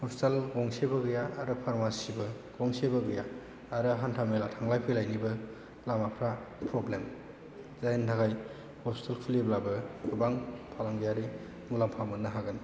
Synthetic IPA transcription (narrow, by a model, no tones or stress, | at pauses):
hɔstelɡɔŋsebɯɡɯjaːɾɯpʰaɾmasibɯ | ɡɔŋsebɯɡɯjaː | ɾɯɦantʰamelatʰaŋlajpʰɯlajnibɯ | lamapʰɾapʰɾɔblem | zajentʰaɣaj | hɔstelkʰuliblabɯɡubaŋpʰalaŋɡijaɾi | mulampʰamɯnːɯɦaɡɯn